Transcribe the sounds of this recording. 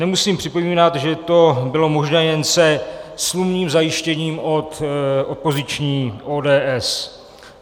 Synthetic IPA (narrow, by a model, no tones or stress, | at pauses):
nɛmusiːmpr̥ɪpo̞miːnat̪ʒɛt̪o̞bɪlo̞mo̞ʒnɛːjɛnsɛslumɲiːmzajɪʃcɛɲiːmot̪ʔopozɪt͡ʃɲiːʔoːdɛːʔɛs